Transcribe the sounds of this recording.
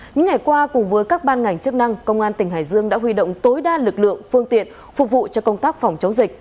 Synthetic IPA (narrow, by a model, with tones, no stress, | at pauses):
ɲɨ̰˧˥ŋːa˨˩jkwaː˧kʊ˨˩ŋ͡mvəː˨˦jkaː˦˥k̚ɓaː˧nŋa˨˩jŋ̟t͡ɕɨ˦˥ək̚na˧ŋkə˧wŋ͡mʔaː˧nt̪ï˨˩ŋ̟ɦaː˧˩jzɨ˧əŋɗa̰ː˧˥ɦwi˧ɗo̰˧˨wŋ͡mt̪o˨˦jɗaː˧lɨ˨˩k̚lɨ̰˧˨əŋfɨ˧əŋt̪ḭ˧˨ən | fʊ˨˩k͡p̚vṵ˧˨t͡ɕɔ˧kə˧wŋ͡mt̪aː˦˥k̚fɔ˨˩wŋ͡mt͡ɕə˨˦wŋ͡mzï˨˩k̟̚